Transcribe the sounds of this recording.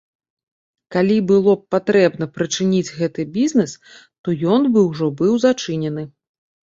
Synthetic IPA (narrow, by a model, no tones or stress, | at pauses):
kalʲibɨlˠɔp̚pat̪ɾɛbnɐpɾɨt͡ʂɨnʲid͡zʲɣɛt̪ɨbʲizʲnɛs | t̪ɔjɔnbɨwʐɔbɨwzat͡ʂɨnʲɛnɨ